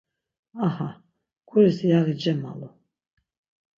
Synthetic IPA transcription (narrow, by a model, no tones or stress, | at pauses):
aha | ɡʰʼuɾisijaɣid͡ʒɛma̰lɔ